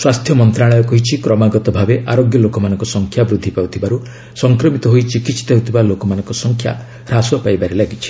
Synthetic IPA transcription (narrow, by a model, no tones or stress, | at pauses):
swast̪ʰjɔmɔnt̪ɾaɭɔjɔkɔɦit͡ʃʰikɾɔmaɡɔt̪ɔbʱabeʔaɾoɡjɔlokɔmanɔ̃ŋkɔsɔŋkʰjabɾud̪ʱːipawt̪ʰibaɾu | sɔŋkɾɔmit̪ɔɦoit͡ʃikisi̥t̪eɦut̪ʰibalokɔmanɔŋkɔsɔŋkʰja̰ | ɾasɔpajbaɾelaɡit͡ʃʰi̥